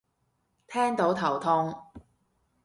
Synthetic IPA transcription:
t̪ʰɛː˥ŋt̪o˨˥wt̪ʰɐ˨˩wt̪ʰʊ˧ŋ

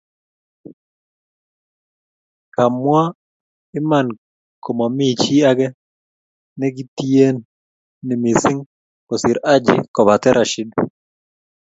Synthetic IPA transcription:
ka˨mwa˦ | ɪ˦ma˨n | ko˨ma˨mɪ˦t͡ʃi˦a˦ɡɛ˦ | nɛ˦ɡɪ˦ti˦e˦nː | ɪ˨mi˨sɪ˦ŋ | kɔ˨sɪ˨ɾa˦d͡ʒɪ̰˨kɔ˨ba˨tɛ˦ɾʔa˨ʃi˦d

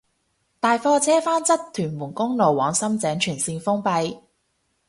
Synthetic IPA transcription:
t̪aː˨jfɔː˧t͡sʰɛː˥faː˥nt͡sɐ˥tt̪ʰːyː˨˩nmuː˨˩nkʊ˥ŋlo˨˩wwɔː˨˥ŋsɐ˥mt͡sɛː˨˥ŋt͡ʃʰyː˨˩nsiː˧nfʊ˥ŋpɐ˧j

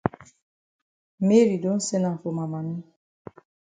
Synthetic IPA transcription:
me˦ɾi˨do˦n̩˦se˦na˨fo˨ma˨ma˨ni˦

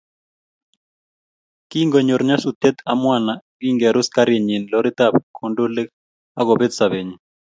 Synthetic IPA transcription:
ki˦ŋɡo˨ɲo˨ɾɲa˦su˨t̪e˦t̪amwa˦na˨ɡi˦ŋɡɛ˨ɾʊ˦ska˦ɾje˨ɲi˨nlɔ˦ɾi˦t̪a˦b̚kʰondo˦le˦k | a˦ɣɔ˨be˦t̪sa˨βe˨ɲi˨

